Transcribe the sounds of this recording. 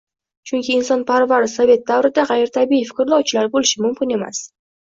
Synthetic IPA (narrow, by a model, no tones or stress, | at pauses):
t͡ʃʰʊŋkʲʰɪːnsɒnpʰaɾvaɾɪsave̞t̪̚d̪avɾɪd̪aʁɑjɪɾt̪ʰabiifɪ̥kʲɪɾlˠɒwt͡ʃʰɪlaɾbolɪʃɪmʊmkʲɪne̞ma̰s